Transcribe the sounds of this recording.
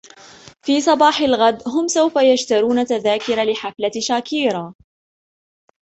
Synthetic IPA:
fiːsˤɑbɑːħalɣad̪ɦʊmsawfajad͡ʒt̪aɾuːnat̪aðaːkɪɾalɪħaflaʃaːkiːɾa

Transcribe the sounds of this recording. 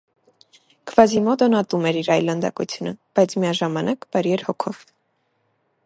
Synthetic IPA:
kʰv̥ɑzimɔt̪ɔnɑt̪umɛɾiɾɑjlːənd̪ɑ̰kṵt͡sʰjunəb̥ɑjt͡sʰmiɑʒɑmɑnʔɑkbɑɾjɛɾhɔkʰɔv

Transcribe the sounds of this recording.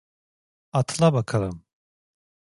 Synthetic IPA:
at̪ʰlˠabakʰalˠɯm

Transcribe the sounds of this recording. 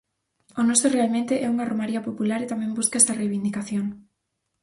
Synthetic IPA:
onɔsorealmẽnt̪eʔɛuŋaromaɾiapopulaɾet̪amɛ̃mbuskaɛst̪arejβind̪ikaθjoŋ

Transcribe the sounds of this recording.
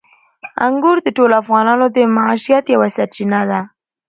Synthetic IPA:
a̰ŋɡʊɾd̪əʈolafɣɑnɑnod̪əmaʕaʃijat̪jawasaɾt͡ʃinad̪a

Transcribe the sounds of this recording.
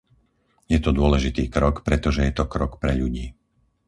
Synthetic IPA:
jɛt̪ɔd̪ʊɔlɛʒit̪iːkɾɔkpɾɛt̪ɔʒɛjɛt̪ɔkɾɔkpɾɛʎuɟiː

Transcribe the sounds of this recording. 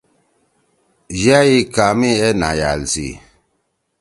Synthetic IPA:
d͡ʒajikamiɛnaja̰lsḭ

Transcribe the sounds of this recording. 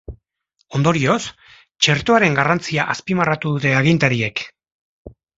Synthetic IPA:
o̞nd̪o̞ɾio̞s | t͡ʃe̞ɾt̪oaɾe̞ŋɡarant͡siaʔaspimarat̪uðut̪e̞aɣ̞int̪aɾie̞k

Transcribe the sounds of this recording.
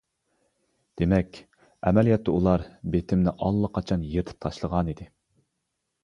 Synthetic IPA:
d̪̥emɛkʲ | ɛmɛlijɑt̪ːɛulˠɑɾbet̪ʰɪmnɪʔɑlˠːəqʰɑt͡ʃʰɑnjet̪ʰɨ̥p̚t̪ʰɑʃlˠəʁɑnid̪ɪ

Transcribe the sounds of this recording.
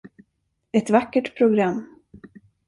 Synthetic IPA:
ɛt̪vakːəʈpʰɾʊɡɾamː

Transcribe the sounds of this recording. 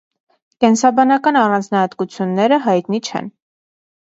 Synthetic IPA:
kɛnsɑbɑnɑkɑnɑrɑnd͡znɑhɑt̪kut͡sʰjunːɛɾəɦɑjt̪nit͡ʃʰɛ̰n

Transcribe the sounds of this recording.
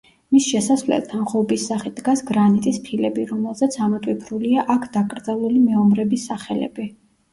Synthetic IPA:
misʃɛsasvlɛ̰lt̪ʰanχɔbisːaχid̪ɡasɡɾanit̪ʼispʰilɛbiɾɔmɛlˠzɛt̪sʰamɔt̪ʼwipʰɾuliaʔakʰd̪akʼɾd̪zalˠulimɛɔmɾɛbisːaχɛlɛ̰bi

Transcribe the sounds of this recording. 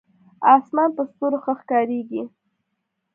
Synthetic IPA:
ɑsmɑnpəst̪oɾoxəxkɑɾeɡi

